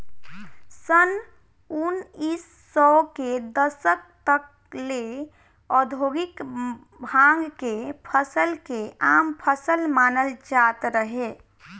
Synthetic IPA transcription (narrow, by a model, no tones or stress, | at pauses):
sən | unisːɔked̪əsək̚t̪ək̚ | le | ɔd̪ʱoɡik | bʱãŋɡkepʰəsəlkeampʰəsəlmanəld͡ʒat̪ɾəɦe